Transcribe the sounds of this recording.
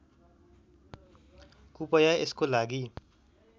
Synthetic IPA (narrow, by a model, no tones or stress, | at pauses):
kupʌjaḛskolaɡi